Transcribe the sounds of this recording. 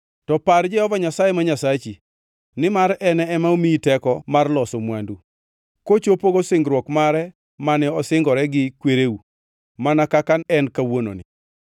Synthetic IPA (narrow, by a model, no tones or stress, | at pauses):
tɔpard͡ʒɛhɔvaɲasajemaɲasat͡ʃi | nɪmaɾɛnɛɛmaomitɛkɔmarlɔsomwandu | kot͡ʃopoɡosɪŋɡɾwɔkmaɾɛ | manɛɔsɪŋɡɔɾɛɡɪkweɾeu | manakakanɛnkawono̰nɪ